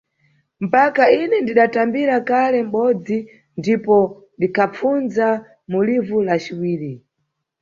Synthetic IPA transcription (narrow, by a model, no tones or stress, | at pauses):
m̩pakainɛndiɗatambiɾakalɛm̩ɓɔd͡zi | ndipɔ | ndikʰap͡fund͡za | mulivulat͡ʃiwiːɾi